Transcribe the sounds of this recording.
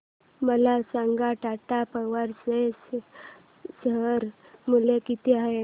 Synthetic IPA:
məlasãŋɡaʈaʈapəʋaɾses | səɦəɾ | mulekit̪eae

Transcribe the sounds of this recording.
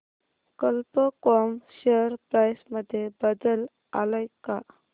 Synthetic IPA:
kəlpəkɔmɕeɾpɾajsməd̪ʱːjebəd̪əl | a̰lajka

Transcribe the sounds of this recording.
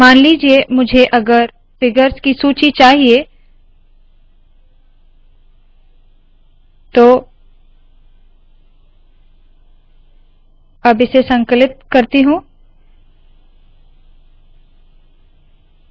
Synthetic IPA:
maːnliːd͡ʒiemʊd͡ʒʱeʔɐɡəɾ | fɪɡəɾskisuːt͡ʃit͡ʃaːɦie | t̪oː | ɐbɪsesɐ̃ŋkəlɪt̪̚kɐɾt̪iɦũ

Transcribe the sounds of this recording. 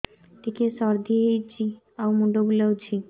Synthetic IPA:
ʈikesɔɾd̪ʱiɦejt͡ɕʰi | awmuɖobuləwt͡ɕʰi

